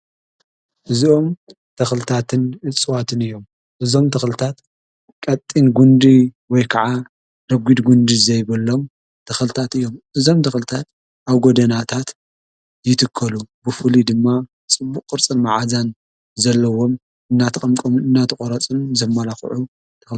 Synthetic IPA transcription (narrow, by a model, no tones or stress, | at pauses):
ʔɨzio̞m | t̪ʰɐxlɨt̪ʰat̪ʰɨnʔɨt͡sʼːɨwat̪ʰɨnɨjːo̞m | ʔɨzo̞mt̪ʰɐxlɨt̪ʰat̪ | kʼɐt̪ʼːinɡund̪iwɔjkʰɐʕa | ɾɐɡʷid̪ɡund̪izɐjβɐlːo̞m | t̪ʰɐxlɨt̪ʰat̪ɨjːo̞mʔɨzo̞mt̪ʰɐxlɨt̪ʰat̪̚ | ʔaβɡod̪ɐnat̪ʰat̪ | jɪt̪ʰɨkʰːɐlubɨfɨlid̪ɨmːa | t͡sʼɨbːukːʼɨɾt͡sʼɨnmaʕazan | zɐlːɐwo̞m | ɨnːat̪ʰɐkʼɐmkʼomɨnɨnːat̪ʰɨkʼoɾɐt͡sʼɨnzɐmːalaxʕu | t̪ʰɐxl